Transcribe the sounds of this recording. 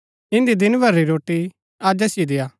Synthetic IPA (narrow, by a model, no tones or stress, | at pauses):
ɪ̃nd̪id̪ɪnbʱɐɾːiɾoːʈːi | aːd͡ʒɐsɪed̪eːjaː